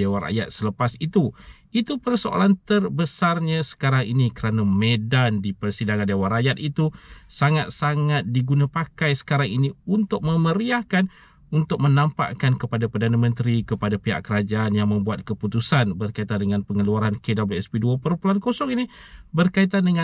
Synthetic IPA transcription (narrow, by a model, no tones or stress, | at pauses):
ewara̰jat̪̚sələpasit̪u | it̪upərsoʔa̰lant̪ərbəsarɲasə̥kaɾaŋinikəɾanamedandipərsidaŋandewaɾajat̪̚it̪usaŋat̪̚saŋat̪̚diɡunapakajsə̥kaɾaŋiniunt̪ʊk̚məməɾiahkan | unt̪ʊk̚mənampa̰ʔkankəpadapərdanamə̃nt̪ɾikəpadapeɦa̰ʔkəɾad͡ʒaːnjaŋmə̃mbuat̪̚kəput̪usanbərkait̪andəŋanpəŋəluaɾankedabeɛspeduəpəɾəmpulankosɔŋinibərkait̪̬andəŋa